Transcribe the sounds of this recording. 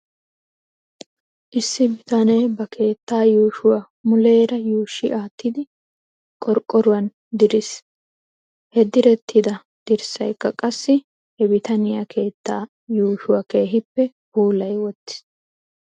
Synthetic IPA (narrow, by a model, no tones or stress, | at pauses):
ʔɪsːɪbɪt̪ɐnejbɐkʰe̞ːt̪ːaːjuːʃʊwɐ | mʊle̞ːɾɐjuːʃɪʔaːt̪ːɪd̪ɪ | kʼɔɾkʼːɔɾʊwɐn | d̪ɪɾɪs | hɛd̪ɪɾɛt̪ʰːɪd̪ɐ | d̪̥ɪɾsɐ̰jkːɐkʼɐsːɪ | hɛbɪt̪ɐnɪjakʰe̞ːt̪ːaː | juːʃʊwɐke̞ːɦɪpːɛ | buːlɐjwɔt̪ːɪ̥s